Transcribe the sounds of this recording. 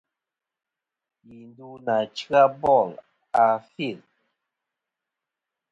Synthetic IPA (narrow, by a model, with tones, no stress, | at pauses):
ji˨ndu˦na˨t͡ʃɨ˦ɣa˦bɔ˦˨l | a˨fi˦˨l